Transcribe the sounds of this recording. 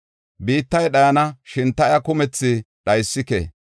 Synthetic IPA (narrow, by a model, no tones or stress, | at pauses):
biːt̪ːɐjɗɐjɐnɐʃɪnt̪ɐjɐkʊmɛt͡sːɪ | ɗɐjsːɪkḛ